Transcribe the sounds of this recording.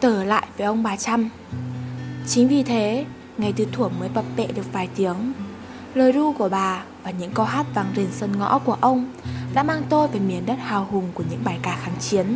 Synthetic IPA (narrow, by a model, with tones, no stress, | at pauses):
t̪əː˧˩la̰ː˧˨jvəː˨˦jʔə˧wŋ͡mɓaː˨˩t͡ɕa˧m | t͡ɕï˨˦ŋ̟vi˨˩t̪ʰe˨˦ | ŋa˨˩jt̪ɨ˨˦t̪ʰu˧˩əŋməː˨˦jɓə˨˩p̚ɓḛ˧˨ɗɨ˨˩ək̚vaː˨˩jt̪i˨˦əŋ | ləː˨˩jɗu˧ku˧˩əɓaː˨˩vaː˨˩ɲɨ̰˧˥ŋkɔ˧ɦaː˦˥t̚vaː˨˩ŋzi˨˩nsə˧˩nŋɔ̰˧˥ku˧˩əʔə˧wŋ͡m | ɗa̰ː˧˥maː˧ŋt̪o˧jvaː˨˩mi˨˩ənɗə˦˥t̚haː˨˩whʊ˨˩ŋ͡mku˧˩əɲɨ̰˧˥ŋɓaː˧˩jkaː˧˩xaː˨˦ŋt͡ɕi˨˦ən